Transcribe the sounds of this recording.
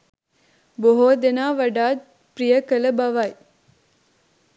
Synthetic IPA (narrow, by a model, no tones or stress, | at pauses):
boɦoːd̪enaːʋɐɖaːt̪̚ | pɾijɐkɐlɐbɐʋɐj